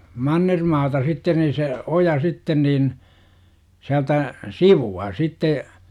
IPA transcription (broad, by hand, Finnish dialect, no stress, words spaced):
mɑnːermɑːtɑ sitːen niː se ojɑ sitːen niːn siæltæ siʋuɑ sitːe